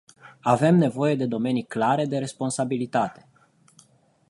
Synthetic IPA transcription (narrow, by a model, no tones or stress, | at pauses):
ave̞mne̞vo̞je̞d̪e̞d̪o̞me̞niklaɾe̞d̪e̞ɾe̞spo̞nsabilit̪at̪e̞̥